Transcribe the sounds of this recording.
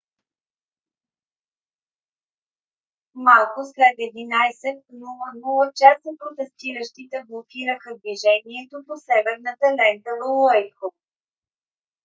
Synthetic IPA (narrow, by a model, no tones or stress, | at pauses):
malˠkʊslɛt̪ɛd̪inajsɛt̪̚noənɔlˠət͡ʃast̪opɾot̪ɛst̪iɾəʃt̪it̪ɛblˠokʲiɾəxəd̪viʒɛniɛt̪oposɛvɛɾnət̪əlɛnt̪əvələjixop̚